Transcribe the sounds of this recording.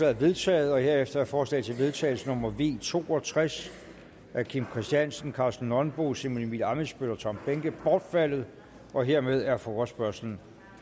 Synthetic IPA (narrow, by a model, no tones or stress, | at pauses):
ɛæɐʋe̝ðˠt͡sʰɛ̰ːð̞̩ˠɒ̽he̝ɐefd̥ɐæɐfɒːslɛ̰̥t͡sʰe̝ʋe̝ð̞ˠt͡sʰɛ̰ːɪl̩sənɔ̽mɐʋe̝̰ːt͡sʰo̝̰ːɒ̽t͡sʰʁas | æɐkʰimkʰʁisd̥jænsən̩kʰɑ̈sd̥n̩ːɒ̽nb̥o̝̰semonimilɑ̈məsb̥ølɐt͡sʰɒ̽mb̥eŋɡ̥əb̥ɒːd̥fæl̰ð̞̩ˠ | ɒ̽ɦe̝ɐ̰með̞ˠæɐfɔːɐsb̥ɶɐsln̩